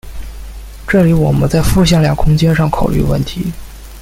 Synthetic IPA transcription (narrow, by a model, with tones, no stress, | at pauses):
ʈ͡ʂɤ˥˩li˧˥wɔ˨˩mə̰˦nt͡sa˥˧ɪfu˥˧ɕ̬jɑ˥˩ŋljɑ˨˩ŋkʰʊ˥ŋt͡ɕjɛ˥nʂɑ˥˩ŋkʰo˨˩ʊly̰˥˧wə̰˥˩nt̪ʰi˧˥